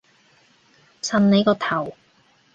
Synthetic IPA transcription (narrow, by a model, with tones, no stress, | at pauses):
sɐ˨nne˨˧jkɔː˧t̪ʰɐ˨˩w